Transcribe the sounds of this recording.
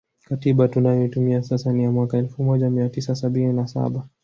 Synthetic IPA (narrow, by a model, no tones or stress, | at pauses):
katiɓatunajɔtumiasasanijamwakaɛlfumɔʄamiatisasaɓininasa̰ɓa